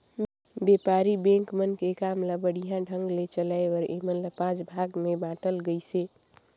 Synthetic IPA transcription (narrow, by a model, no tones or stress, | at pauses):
beːpaːɾibɛ̃ːŋkmənkekaːmləbəɽ̤ijãɖʱə̃ŋɡlet͡ʃəlaːeɔɾḛmənləpãːd͡ʒbʱaːɡmebãːʈəlɡəiseː